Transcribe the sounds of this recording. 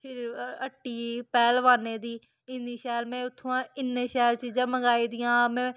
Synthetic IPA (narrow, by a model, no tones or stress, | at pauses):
pʰɪɾəʈːiːpɛːlʋaːneːd̪iː | ɪniːʃɛːlmɛ̃ːʊt̪ʰːõːãːɪnːeːʃɛːlt͡ʃiːzãːməŋɡaːiːd̪ijãːmɛ̃ː